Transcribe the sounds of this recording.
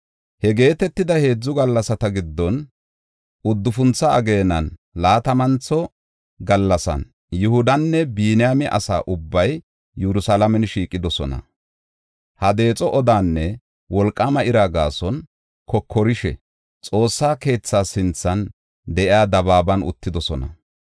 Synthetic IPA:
hɛɡe̞ːt̪ɛt̪ːɪd̪ɐhe̞ːd͡zːʊɡɐlːɐsɐt̪ɐɡɪd̪ːɔn | ʔʊd̪ːʊfʊnt͡sːɐɐɡe̞ːnɐnlaːt̪ɐmɐnt͡sːɔ | ɡɐlːɐsɐ̰n | jʊhʊd̪ɐnːɛbiːnɪjamɪʔɐ̰sa̰ːʔʊbːɐj | jɛɾʊsalɐmɛnʃiːkʼɪd̪ɔsɔ̰nɐ̰ | hɐd̪e̞ːt͡sʼɔʔɔd̪aːnːɛ | wɔlkʼːaːmɐɪɾaːɡa̰ːsɔn | kʰɔkʰːɔɾɪʃɛ̰ | t͡sʼo̞ːsːaːke̞ːt͡sːaːsɪnt͡sːɐn | d̪ɛʔɪaːd̪ɐbaːbɐnʊ̰t̪ːɪd̪ɔsɔnɐ̰

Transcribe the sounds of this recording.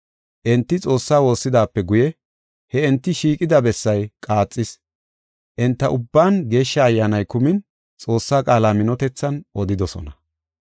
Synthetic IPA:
ʔɛnt̪ːɪt͡sʼo̞ːsːaːwo̞ːsːɪd̪aːpːɛɡʊjɛ | hɛɛnt̪ːɪʃiːkʼɪd̪ɐbɛsːɐjkʼaːt͡sʼːɪs | ʔɛnt̪ːɐʔʊbːaːnɡe̞ːʃːɐːjːaːnɐjkʊmɪn | t͡sʼo̞ːsːaːkʼaːlaːmɪnɔt̪ɛt͡sːɐnɔd̪ɪd̪ɔsɔ̰nɐ

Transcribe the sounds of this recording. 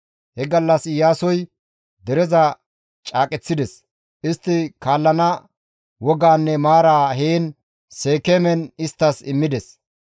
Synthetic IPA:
hɛɡɐlːɐsɪjaːsɔj | d̪ɛɾɛzɐ | t͡ʃʼaːkʼɛt͡sːɪd̪ɛs | ʔɪst̪ːɪkaːlːɐnɐ | wɔɡaːnːɛmaːɾaːɦeːn | se̞ːkemɛnɪst̪ːɐsɪmːɪd̪ɛs

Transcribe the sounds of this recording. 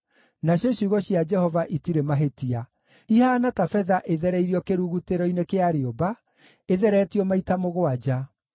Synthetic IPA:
naɕjɔɕiɣɔɕjad͡ʒɛhɔvaʔitiɾemaɦetia | ihaːnatafɛðaʔeðɛɾɛiɾiɔkeɾuɣuteɾɔinekeaɾeɔba | eðɛɾɛːtiɔmaitamoɣoad͡ʒa

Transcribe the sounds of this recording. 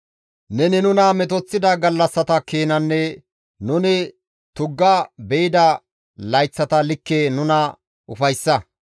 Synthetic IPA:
nɛnɪnʊnɐmɛt̪̬ɔt͡sːɪd̪ɐɡɐlːɐsːɐt̪ɐkeːnɐnːɛ | nʊnɪ | t̪ʊɡːɐbɛɪd̪ɐ | lɐjt͡sːɐt̪ɐlɪkːenʊnɐ | ʔʊfɐjsːɐ

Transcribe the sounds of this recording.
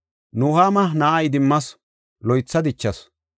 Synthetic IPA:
nuhaːmɐnɐʔɐjd̪ɪmːɐs | lɔjt͡sːɐd̪ɪt͡ʃːɐs

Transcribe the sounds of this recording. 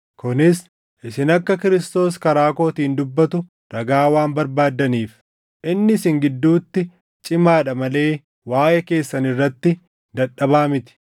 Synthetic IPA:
kʊnɪs | ʔɪsɪnɐkːɐkɪɾɪst̪o̞ːskɐɾaːko̞ːt̪iːnd̪ʊbːɐt̪ʊ | ɾɐɡaːwaːnbɐɾbaːd̪ːɐniːf | ʔɪnːɪsɪŋɡɪd̪ːuːt̪ːɪ | t͡ʃʼɪmaːᶑɐmɐle̞ː | waːjɛke̞ːsːɐnɪrːɐt̪ːɪ | d̪ɐᶑɐbaːmɪt̪ɪ̥

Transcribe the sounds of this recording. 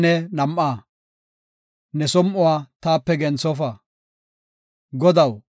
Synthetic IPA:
nɛnɐmʔaː | nɛsɔmʔʊwaːt̪aːpːɛɡɛnt͡sɔf̬ɐ | ɡɔd̪ɐw

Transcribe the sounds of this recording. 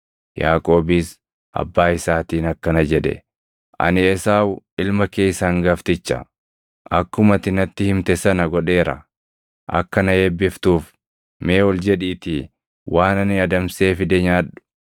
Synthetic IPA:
jaːkʼo̞ːbɪs | ʔɐ̰bːaːɪsaːt̪iːnɐkːɐnɐd͡ʒɛᶑɛ̰ | ʔɐ̰nɪɛsaːwʔɪlmɐke̞ːjsaŋɡɐft̪ɪt͡ʃːɐ̰ | ʔɐkːʊmɐt̪ɪnɐt̪ːɪhɪmt̪ɛsɐnɐɡɔᶑe̞ːɾɐ̰ | ʔɐ̰kːɐnɐhebːɪft̪uːf | meːwɔld͡ʒɛᶑiːt̪i | wʔaːnɐnɪɐd̪ɐmse̞ːfɪd̪ɛɲaːᶑʊ̥

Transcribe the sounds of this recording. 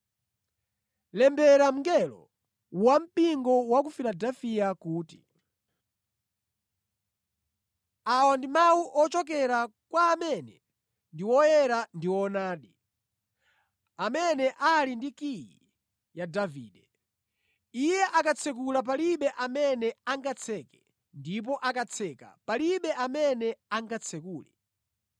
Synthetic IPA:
lɛmbɛɾam̩ŋɡɛlɔ̰ | wam̩piŋɡɔwak̬ufiladafiakuːti | awandimawuʔɔt͡ʃɔk̬ɛɾakwaːmɛnɛ̰ | ndiwɔjɛɾandiwɔnaːɗi | amɛnɛʔalindikijḭ | jadavḭːɗɛ | ijɛʔakat͡sʰɛk̬ulap̬aliɓɛʔamɛnɛaŋɡat͡sʰɛkɛ̥ | ndip̬ɔʔakat͡sʰɛka̰paliɓɛʔamɛnɛaŋɡat͡sʰɛkuːlɛ̰

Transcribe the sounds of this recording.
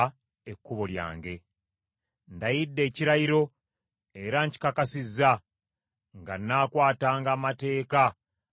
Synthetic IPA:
ekːuβolja̰ːŋɡe̞ | ndajidːe̞ːciɾajiɾo̞ | e̞ɾaːɲci̥kakasizːa | ŋɡa̰nːaːkwaːtaːŋɡaːmate̞ːka

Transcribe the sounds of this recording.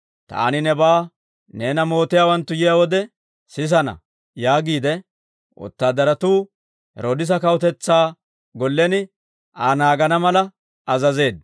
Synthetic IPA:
t̪a̰ːnɪnɛbaː | neːnɐmo̞ːt̪ɪjaːwɐnt̪ːʊjɪjaːwɔd̪ɛ | sɪs̬ɐnɐ̰ | jaːɡiːd̪ɛ | ʔɔ̰t̪ːaːd̪ɐɾɐt̪uː | hɛ̰ɾod̪ɪs̬ɐkɐwʊt̪̬ɛt͡sːaː | ɡɔlːɛnɪ | aːnaːɡɐnɐmɐlɐ | ɐzɐze̞ːd̪

